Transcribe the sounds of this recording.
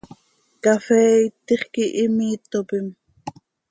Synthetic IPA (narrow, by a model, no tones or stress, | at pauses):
kafɛːit̪ːeχkiʔimiːt̪ːopim